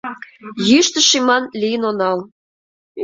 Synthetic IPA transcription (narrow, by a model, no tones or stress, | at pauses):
jyʃt̪ə̆ʃimɑnlijənonɑl